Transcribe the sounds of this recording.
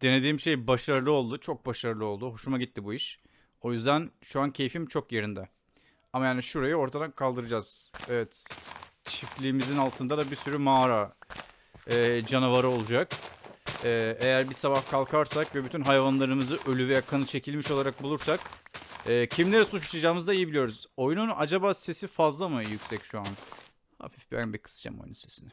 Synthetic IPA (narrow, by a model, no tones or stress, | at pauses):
d̪̥e̞ne̞d̪iːmʃe̞jbaʃaɾɯlˠɯo̞lˠd̪ut͡ʃʰo̞k̚baʃaɾɯlˠɯo̞lˠd̪uɦo̞ʃumaɟit̪ʰːibuiʃ | o̞jyzd̪ænʃuancʰe̞jfimt͡ʃʰokje̞ɾind̪ɛ | amajaːniʃuɾajɯo̞ɾt̪ʰad̪ankʰalˠd̪ɯɾɯd͡ʒaz̥evɛt̪ | t͡ʃʰiflʲiːmizinalˠt̪ʰɯnd̪ad̪abisyɾymaːɾa | ɛːd͡ʒanavaɾɯo̞lˠud͡ʒak | ɛːe̞jæɾbisabahkʰalˠkʰaɾsakvɛbyt̪ʰynɦajvanlˠaɾɯmɯzɯʔø̞lʲyvɛjakʰanɯt͡ʃʰe̞cʰilʲmiʃo̞lˠaɾak̚bulˠuɾsakɯːcʰimlʲe̞ɾɛsut͡ʃḁʃad͡ʒaːɯmɯzd̪aijibilʲijo̞ɾuz̥o̞jnunad͡ʒabaːse̞sifazlˠamɯjycsɛcʃuan | ha̰fifbæ̰nbikʰɯ̥sd͡ʒa̰mo̰jnunse̞sinɪ